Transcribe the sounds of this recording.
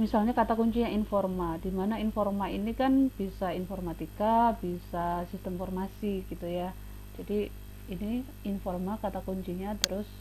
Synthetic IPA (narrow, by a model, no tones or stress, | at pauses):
misalɲakat̪akuɲt͡ʃiɲainfɔrmadimanainfɔrmainikanb̥isainfɔrmat̪ikabisasist̪əmfɔrmasiɡ̥it̪uja | d͡ʒadi | ini | infɔrmakat̪akuɲt͡ʃiɲat̪əɾʊs